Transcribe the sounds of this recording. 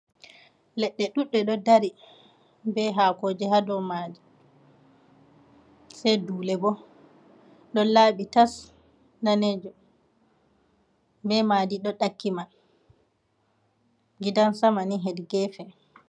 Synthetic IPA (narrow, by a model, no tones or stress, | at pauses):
lɛɗːɛɗuɗːɛɗɔdaɾi | bɛɦakoːd͡ʒɛɦadɔmadi | sɛjduːlɛbɔ | ɗɔlaːɓitas | naned͡ʒɔ | bɛmadiɗɔɗakːiman | ɡidansamaniɦɛdɡɛːfɛ